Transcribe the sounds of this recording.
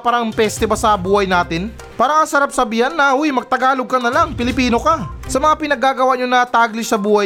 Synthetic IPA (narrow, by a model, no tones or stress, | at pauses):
paːɾɐmpɛst̪ɛbɐsɐbuːhɐjnaːt̪ɪn | paːɾɐŋɐsɐɾap̚sɐbiːhɐnːɐwujmɐɡ̚t̪ɐɡaːlo̞ɡ̚kɐnɐlaŋpɪlɪpiːno̞kasɐmɐŋapɪnɐɡaːɡɐwaʔɲonɐt̪aːɡlɪsɐbuːhɐj